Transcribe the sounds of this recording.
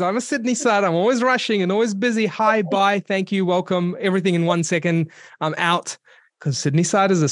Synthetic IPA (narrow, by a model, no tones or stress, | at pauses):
zãɪ̃mɨsɪdⁿnisaɪɾãɪ̃mɔlˠwizɹʌʃɪ̃ŋɨ̃nɔlˠwizbɪzihaɪbaɪθæ̃ŋkjɨwɛlˠkə̃mɛvɹiθɪ̃ŋɨ̃nwʌ̃nsɛkɨ̃ndãɪ̃mʔaʊt | kʰʌz̥sɪdⁿnisaɪɾɨzɨ